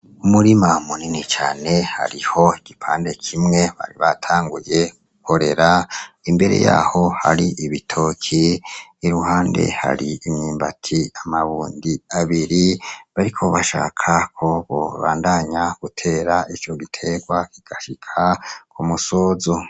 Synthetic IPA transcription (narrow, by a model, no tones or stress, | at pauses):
umuɾimamuninit͡ʃa̰ːne̞ha̰ɾiho̞iɡ̥ipʰaːnde̞kʰimŋe̞βa̰ɾiβatʰaːŋɡuje̞ɡuko̞ɾe̞ɾaimbe̞ɾḛja̰ːho̞haɾiʔiβitʰo̞kʰiːɾuhaːnde̞̰ha̰ɾiimɲiːmbatʰiamaβuːndiaβiɾiβaɾikʰo̞βaʃa̰ːkʰakʰoβo̰βa̰ːndaɲaɡ̥utʰe̞ːɾait͡ʃo̞ɡitʰe̞ɡwakiɡ̥aʃikʰakʰumuso̞ːzo